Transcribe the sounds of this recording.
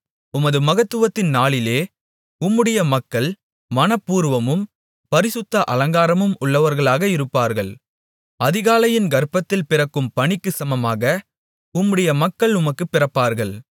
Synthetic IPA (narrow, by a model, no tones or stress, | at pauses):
ʊmɐðɯmɐɣɐt̪ːɯʋɐt̪ːɪnnaːɭɪleː | ʊmːɯɽɐjɐmɐkːɐɭ | mɐnɐpːuːɾʋɐmɯm | pɐɾɪsɯt̪ːɐʔɐlɐŋɡaːɾɐmɯmʊɭːɐʋɐɾɣɐɭaːɣɐɪɾɯpːaːɾɣɐɭ | ɐðɪɣaːlɐjɪnɡɐɾpɐt̪ːɪlpɪrɐkːɯmpɐɳɪkːɯsɐmɐmaːɣɐ | ʊmːɯɽɐjɐmɐkːɐɭʊmɐkːɯpːɪrɐpːaːɾɣɐɭ